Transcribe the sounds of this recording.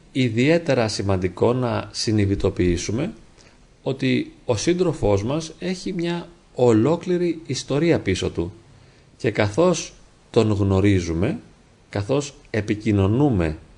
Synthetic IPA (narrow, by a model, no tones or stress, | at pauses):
iðie̞t̪e̞ɾɐsimɐnd̪iko̞nɐsiniðit̪o̞piisume̞ | o̞t̪io̞sind̪ɾo̞fo̞zmɐse̞çimɲɐ | olo̞kliɾiːst̪o̞ɾiɐpiso̞t̪u | ce̞kɐθo̞s | t̪o̞ŋɣno̞ɾizume̞ | kɐθo̞s | e̞picino̞nume̞